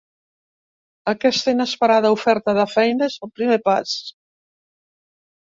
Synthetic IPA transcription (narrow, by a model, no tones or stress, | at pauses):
akɛst̪əinəspəɾaðaufɛɾt̪aðəfɛjnezəlˠpɾimepas